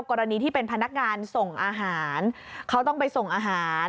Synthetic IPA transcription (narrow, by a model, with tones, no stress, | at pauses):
wkɔː˧ɾa˧niː˧t̪ʰiː˥˩pe˧npʰa˧na˦˥k̚ŋaː˧nso˨˩ŋʔaː˧ɦaː˩˦nkʰa˦˥wt̪ɔ˥˩ŋpa˧jso˨˩ŋʔaː˧ɦaː˩˦n